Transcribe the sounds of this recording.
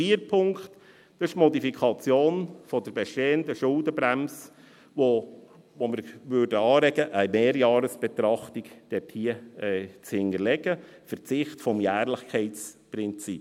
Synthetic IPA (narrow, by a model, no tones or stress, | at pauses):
iːəɾpʰʊŋkt̪ | d̥ɪʃmɔdifikʰɑt͡sjoːnfɔd̪əɾbɛʃteːəndəʃʊldəbɾæms | ʋo | ʋoməɾʋøːɾdəɑːɾɛɡəʔəjmeːɾjɑːɾəsb̥ɛt̪ɾɑχt̪ikd̥ɛthiəɛːt͡shɪnəɾlɛɡəfəɾt͡sɪχtfɔmjæːɾləχkʰɛɪt͡spɾɪnt͡sip